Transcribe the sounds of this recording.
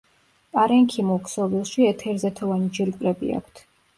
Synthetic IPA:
pʼaɾɛŋkʰimukʰʼsɔvilˠʃiɛt̪ʰɛɾzɛt̪ʰɔvanid͡ʒiɾkʼɾɛbḭa̰kʷʰt̪ʰ

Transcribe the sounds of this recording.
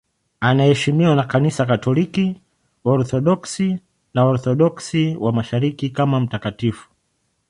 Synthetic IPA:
anahɛʃimiwanakanisakatɔliki | ɔɾθɔɗɔksi | naɔɾθɔɗɔksiwamaʃaɾikikamam̩takatifu̥

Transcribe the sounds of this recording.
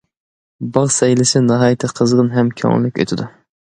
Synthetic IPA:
bɑʁsɛjlɪsɪnɑɦɑːjit̪ʰɨqʰəzʁənɦɛmkʲʰɑ̰ŋlykʲø̰t̪ʰɪd̪u

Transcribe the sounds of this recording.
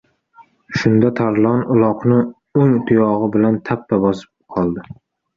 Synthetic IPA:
ʃʊnd̪at̪ʰaɾlˠɒnʊlˠɒqnɪ | ʊŋt̪ʰʊjɒʁɨbɪlant̪ʰapːabɒsɪ̥p̚qʰɒlˠd̪ɪ

